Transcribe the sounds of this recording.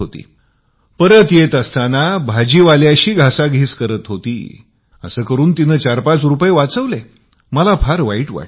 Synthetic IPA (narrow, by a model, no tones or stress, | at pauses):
ot̪ḭː | pəɾət̪jet̪əst̪anabʱad͡ʑiːʋaljaɕiːɡʱasaɡʱiːskəɾət̪ɦot̪ḭː | ə̰səːkəɾuːnt̪inəːt͡ɕaɾpat͡sɾupjeʋat͡səʋle | məlapʰaɾʋaiʈʋa̰